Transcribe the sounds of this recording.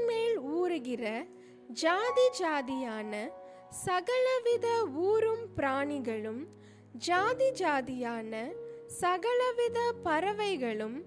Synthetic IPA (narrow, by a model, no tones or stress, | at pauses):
meːluːɾɯɣɪrɐ | d͡ʒaːðid͡ʒaːðɪjaːnɐ | sɐɣɐɭɐʋɪðɐuːɾɯmpɪɾaːɳɪɣɐɭɯm | d͡ʒaːðid͡ʒaːðɪjaːnɐsɐɣɐɭɐʋɪðɐpɐɾɐʋɐɪɣɐɭɯm